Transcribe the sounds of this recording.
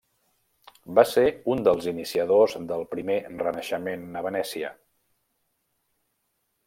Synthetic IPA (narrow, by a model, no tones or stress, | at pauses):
baseund̪əlˠzinisiəðozðəlˠpɾimerənəʃəmenːəβənɛsiə̰